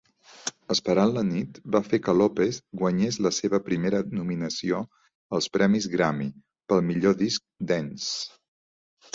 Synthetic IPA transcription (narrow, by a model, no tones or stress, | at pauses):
əspəɾanlənit̪bafekəlopeθɣwəɲezləseβəpɾimeɾənuminəsio | əlˠspɾɛmizɣɾami | pəlˠmiʎoðisk̚d̪ɛns